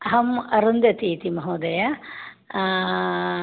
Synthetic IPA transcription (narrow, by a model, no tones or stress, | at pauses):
ɐɦɐmɐɾund̪jɐt̪iːt̪imɐɦoːd̪ɐjɐ